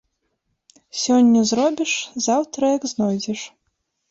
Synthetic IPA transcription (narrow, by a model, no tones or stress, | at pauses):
sʲɔnʲːɐzɾɔbʲiʂzawt̪ɾɐjɐɡznɔjd͡zʲɛʂ